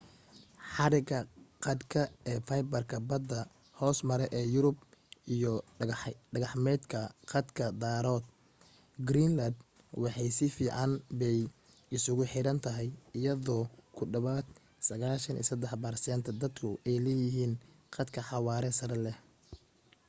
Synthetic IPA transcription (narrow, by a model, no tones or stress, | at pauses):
ħɑɾɪɡɐqɑd̪kʰɐɛːfɐjbɐrkʰɐbɐd̪ːɐ | hɔːsmɐɾɛʔɛːjʊɾʊbʔijɔ | ɖɐɣɐħmɛːd̪kʰɐqɑd̪kʰɐd̪aːɾɔːd̪̚ | ɡɾiːnlɐd̪ | wɑħɑjsɪfiːʕɑnbɛj | ɪsʊɣʊħɪɾɐnt̪ʰɐɦɛjɪjɐðɔːkʰʊɖɐβaːd̪ | sɐɣaːʃɐnʔḭːsɐd̪ɛħbɐrsɛːnt̪ʰɐd̪ɐd̪kʰʊɛjlɛːjɪɦiːn | qɑd̪kʰɐħɑwaːɾɛsɐɾɛlɛ